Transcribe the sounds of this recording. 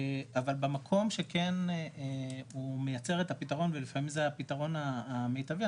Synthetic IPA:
avalbamakʰo̞mʃe̞ken | umejat͡se̞ʁet̪apitaʁo̞nvelifamimzeapitaʁo̞naːmejtavi

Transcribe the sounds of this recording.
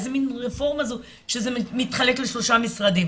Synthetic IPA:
zeminʁefo̞ʁmazu | ʃezemit̪χale̞kleʃlo̞ʃamisʁad̪im

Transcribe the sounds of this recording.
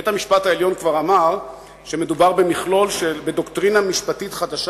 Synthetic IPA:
etamiʃpathaeljo̞nkvaʁamaʁ | ʃeme̞dubaʁbe̞miχlo̞lʃelbe̞doktʁinamiʃpatitχadaʃ

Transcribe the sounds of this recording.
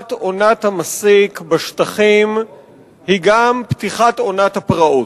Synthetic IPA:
tonat̪hamasikbeʃt̪aχim | hiɡampt̪iχat̪o̞nat̪hapʁaʔo

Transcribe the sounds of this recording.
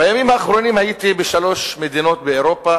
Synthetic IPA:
bajamimhaːχɾo̞nimhajit̪ibeʃalo̞ʃmed̪ino̞t̪beeɾo̞pa

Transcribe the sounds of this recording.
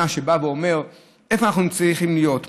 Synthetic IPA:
aʃe̞baveome̞ʁ | efoanaχnut͡sʁiχimlijo̞t

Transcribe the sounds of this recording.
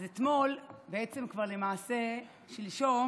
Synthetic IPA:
zet̪mo̞lbeet͡se̞mkvaʁlemaase | ʃeliʃo

